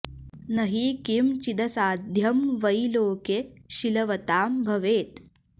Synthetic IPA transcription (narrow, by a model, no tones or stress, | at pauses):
nɐɦiːkimt͡ʃid̪ɐsaːd̪ʱjɐmʋɐjloːkeʃilɐʋɐt̪aːmbʱɐʋeːt̪̚